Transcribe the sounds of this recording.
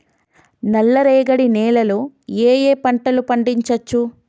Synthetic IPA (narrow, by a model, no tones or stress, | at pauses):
nɐlːɐɾeːɡɐɽinɛːlɐlueːjeːpɐɳʈɐlupɐɳɖiɲt͡ʃɐt͡ʃːu